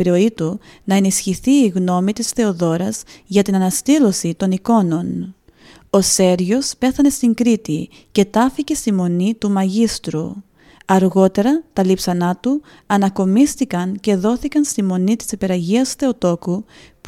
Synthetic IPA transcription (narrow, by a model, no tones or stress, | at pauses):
iɾo̞it̪unɐenisçiθiːɣno̞mit̪isθe̞o̞ðo̞ɾɐz̥ʝɐt̪inɐnɐst̪ilo̞sit̪o̞niko̞no̞n | o̞se̞ɾʝo̞spe̞θɐne̞st̪iŋɡɾit̪i | ce̞t̪ɐficest̪imo̞nit̪umɐʝist̪ɾu | ɐɾɣo̞t̪e̞ɾɐt̪ɐlipsɐnɐt̪u | ɐnɐko̞mist̪ikɐnce̞ðo̞θikɐnst̪imo̞nit̪i̥sipe̞ɾɐʝiɐsθe̞o̞t̪o̞kup